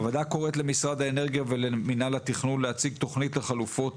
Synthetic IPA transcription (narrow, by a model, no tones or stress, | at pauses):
avad̪ako̞ʁetle̞misʁad̪haene̞ʁɡijaveleminalat̪iχnunlehat͡siɡt̪o̞χnit̪le̞χalufo̞t